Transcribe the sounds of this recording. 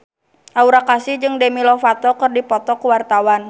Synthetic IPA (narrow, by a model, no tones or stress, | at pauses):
ʔauɾakasɪhd͡ʒɨŋdɛmilɔfat̪ɔkɨrdipɔt̪ɔkuwart̪awan